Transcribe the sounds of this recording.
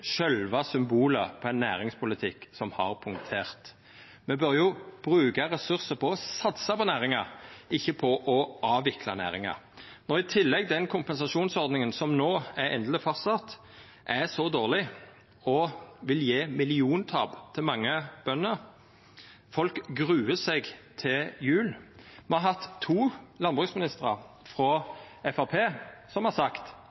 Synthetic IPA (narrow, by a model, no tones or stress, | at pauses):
ʃœlʋɑsʏmbuːləɾpʰɔɛɪnːæ̰ːɾɪŋspʰʊlɪt̪ʰɪkːsɔmhɑ̰ʁpʰʊŋt̪ʰeːʁt̪ | mɛbœʁjʊb̥ɾʉːkɑʁɛsʉʁsəpʰɔɔsɑt̪sɑpɔnæːʁɪŋɑɪçːəpʰɔʔɔʔɑːʋɪkʰlɑ̰næ̰ːɾɪŋɑ̰ | nɔʁɪt̪ʰɪlːɛɡ̚d̪ɛnkʰʊmpɛnsɑʂuːnsɔɾd̪nɪŋənsɔmnoːæɾɛ̰nd̪lɪfɑst̪ɑt̪ | ʔæsɔd̪oːʁlɪ | ɔʋɪljeːmɪlɪuːnt̪ʰɑ̰ːbt̪ʰɪlmɑŋːəb̥œnːəɾ | fɔlkɡʁʉːəsɛɡt̪ʰɪjʉːlmɔhɑɦɑt̪ʰːuːlɑnbʁʉksmɪnɪst̪əʁɑ | fʁɔɛfɑʁpʰeːsɔmhɑʁsɑkt̪